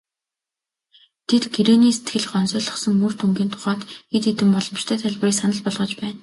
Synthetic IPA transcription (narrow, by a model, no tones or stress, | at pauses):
t̪ʰet̪ɡiɾeːniːse̥t̪ɡɘ̆ɮɢɔnsœːɮɞ̆χsɞ̆ŋmɵr̥t̪ʰuŋɡʲiːnt̪ʰʊ̥χɔːt̪xet̪et̪ɘ̆mpɔɮɞ̆mt͡ɕt̪ʰœːt̪ʰæɮʲp̆riːksanə̆ɮpɔɮʁɞ̆t͡ɕpæːn